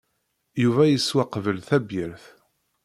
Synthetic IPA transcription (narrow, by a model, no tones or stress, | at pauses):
juvæjəswaqvəlθæbjəɾθ